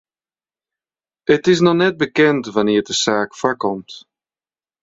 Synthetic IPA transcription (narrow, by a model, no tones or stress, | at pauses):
ətɪs̬nɔxnɛt̚bəkɛntʋanɪːrdəsaːkfaɹkɔmt